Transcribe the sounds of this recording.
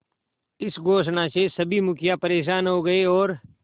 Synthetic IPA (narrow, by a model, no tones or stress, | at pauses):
ɪsɡʱoːʃnasesɐbʱimʊkʰjapɐɾeːʃ̬aːnɦoɡɐeɔːɾ